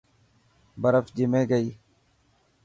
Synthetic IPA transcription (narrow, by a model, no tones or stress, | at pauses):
bəɾəfd͡ʒɪmeːɡəiː